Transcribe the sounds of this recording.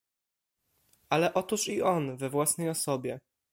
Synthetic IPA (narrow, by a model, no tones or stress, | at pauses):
alɛʔɔt̪uʂiɔnvɛvwasnɛjɔsɔbʲjɛ